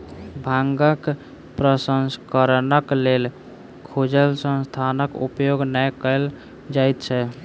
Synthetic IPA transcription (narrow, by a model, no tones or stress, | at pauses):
bʱãŋɡək | pɾəsənskəɾnəklel | kʰod͡ʒəlsə̃nst̪ʰanəkṵpjoɡnəjkəl | d͡ʒajt̪t͡ʃʰɛ